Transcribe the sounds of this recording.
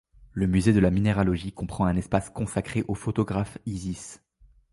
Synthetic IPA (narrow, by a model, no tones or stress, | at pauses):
ləmyzed̪əlamineʁalɔʒikɔ̃pχɑ̃ɛ̃nɛspaskɔ̃sakχeʔofot̪ɔɡʁafizis